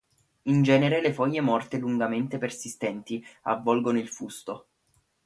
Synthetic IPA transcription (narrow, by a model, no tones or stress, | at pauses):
ind͡ʒɛːneɾelefɔjːemɔrt̪eluŋɡament̪epersist̪ɛnt̪ia̰vːɔlɡonoilfust̪o